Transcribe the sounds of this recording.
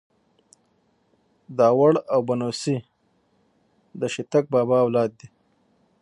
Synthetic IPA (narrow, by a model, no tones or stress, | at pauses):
d̪ɑːwaɽawbanosi | d̪əʃit̪ak̚bɑːbɑwlɑːd̪̚d̪i